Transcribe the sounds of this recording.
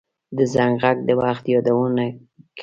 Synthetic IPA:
d̪əzaŋɣaɡ̚d̪əwaxt̪jɑd̪awəna | k

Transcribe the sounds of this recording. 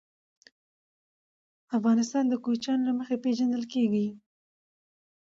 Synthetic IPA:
afɣɑnɪst̪ɑnd̪əkot͡ʃɑnolaməxepeʒand̪əlkeɡi

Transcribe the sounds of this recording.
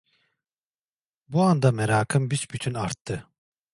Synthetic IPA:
buand̪ameɾaːkʰɯmbisbyt̪ʰynaɾt̪ʰːɯ

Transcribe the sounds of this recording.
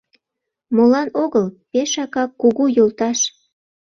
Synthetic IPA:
molɑnoɣəlpeʃɑkɑkːuɣujolt̪ɑʃ

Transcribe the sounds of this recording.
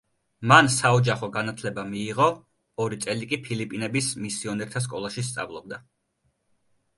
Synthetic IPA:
mansaɔd͡ʒaχɔɡanat̪ʰlɛbamiːʁɔː | ɾit̪sʼɛlikʼipʰilipʼinɛbismisiɔnɛɾt̪ʰas̬kʼɔlˠaʃist̪sʼa̰vlˠɔb̚d̪a

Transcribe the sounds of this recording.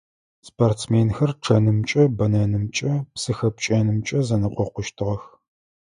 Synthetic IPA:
spʰartt͡smeːnxɐrʈ͡ʂʰɐnɨmt͡ʃʼɐbɐnɐnɨmt͡ʃʼɐpsɨxɐp̚t͡ʃʼeːnɨmt͡ʃʼɐzɐnɨqʷɔqʷʊʃtʰɨʁɐx

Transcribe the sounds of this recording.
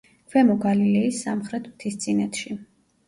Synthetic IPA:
kʰwɛmɔɡalilɛisːamχɾɛt̪ʰmt̪ʰist̪sʰʼinɛt̪ʰʃi

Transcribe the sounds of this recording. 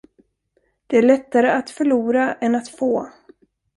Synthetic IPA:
d̪̥ɛæɭɛt̪ːaɾəat̪fœɭuːɾaɛnat̪foː

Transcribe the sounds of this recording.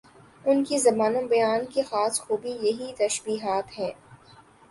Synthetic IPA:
ʊnkizɐbaːnãbɐjaːnkixaːsxuːbijɐɦit̪ɐʃbiːɦaːt̪ɦɛ̃ː

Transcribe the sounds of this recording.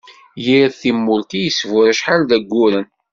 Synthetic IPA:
jiðθimːʊlt̪ijəsvʊɾæʃħalðæɡʷːuɾən

